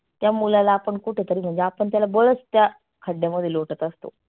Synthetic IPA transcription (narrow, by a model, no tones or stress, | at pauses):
t̪jamulalaːpəɳkuʈʰet̪əɾiːm̤əɳd͡zeapəɳt̪jalaboɭəst̪ja | kʰəɖʱjaməd̪ʱjeloʈət̪əst̪o̰